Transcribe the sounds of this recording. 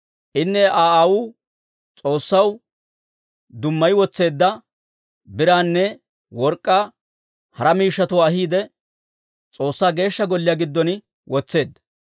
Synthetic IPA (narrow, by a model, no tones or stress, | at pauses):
ʔɪnːɛʔaːawuː | t͡sʼo̞ːsːɐw | d̪ʊmːɐjwɔt͡sːe̞ːd̪ːɐ | bɪɾaːnːɛ | wɔɾkʼːaː | hɐɾɐmiːʃːɐt̪ʊwaːɦiːd̪ɛ | t͡sʼo̞ːsːaːɡe̞ːʃːɐɡɔlːɪjaːɡɪd̪ːɔnɪ | wɔt͡sːe̞ːd̪ːɐ̥